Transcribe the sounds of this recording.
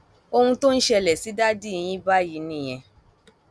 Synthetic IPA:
o˧hũ˧to˦n̩˦ʃɛ˧lɛ˨si˨˦da˦di˦i˧j̃ĩ˦ba˦ji˨˦nĩ˦˨j̃ɛ̃˧

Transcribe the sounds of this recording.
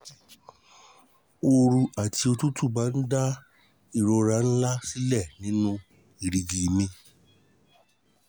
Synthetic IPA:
o˧ɾu˧a˨ti˧o˧tu˦tu˦˨ba˨˦n̩˦da˦ | i˦˨ɾo˧ɾa˨˦n̩˦la˦si˦lɛ˦˨nĩ˨˦nũ˦ | i˨ɾi˨ɡi˨mĩ˧

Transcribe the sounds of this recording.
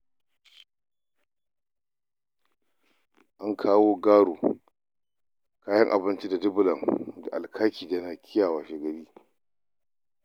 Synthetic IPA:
ʔa˦ŋkʰaː˦woː˦ɡaː˦ɽuː˨ | kaː˦jɐ˦ŋʔa̰˨bɪ˦nt͡ʃi˦da˨dɪ˦bʊ˨lɐ˨ŋda̰˨ʔa˨lkʰa˦kʰʲiː˨da˨na˨kʲʰɪ˦jaː˨waː˨ʃe˨ɡɐ˨ɽiː˦

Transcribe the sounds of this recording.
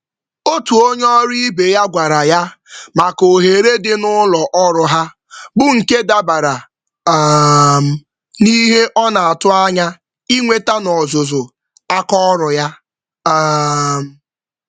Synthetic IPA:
o˦tu˨o˦ɲɔ˦ɾi˦be˨ja˦ɡʷa˨ɾa˨ja˦ma˨ko˨ɦe˨ɾe˦dɪ˦nʊ˦lɔ˨ʔɔ˦ɾʊ˨ɦa˦ | bʊ˦˨ŋ̩˨ke˦da˦ba˨ɾa˨˦ | m̩˨ | ni˦ɦe˦ʔɔ˦na˨a˨tʊ˦a˦ɲa˦ | i˦ŋʷe˦ta˦nɔ˨zʊ˨zʊ˨ | a˦kɔ˦ɾʊ˨ja˦ | m̩˨

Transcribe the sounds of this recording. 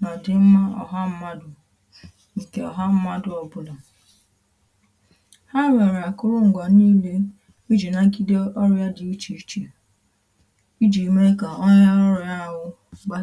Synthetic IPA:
nɔ˨dɪ˨m̩˦ma˦ɔ˨ɦa˦m̩˦ma˦dʊ˨ | ŋ̩˨ke˨ɔ˨ɦa˦m̩˦ma˦dʊ˨ɔ˨bʊ˦lɔ˨ | ha˦ɾe˨ɾa˨kʊ˦ɾʊ˦ŋ̩˨ɡʷa˨niː˦le˦ | u˦d͡ʒi˨na˨˦ki˦de˦ʔɔ˦ɾja˦dɪ˨u˦t͡ʃi˨˦t͡ʃi˨ | i˦d͡ʒi˨me˦ka˨ɔ˦ɲa˦ɾɔ˦ɾja˦˨ɦʊ˦ | ɡ͡ba˦

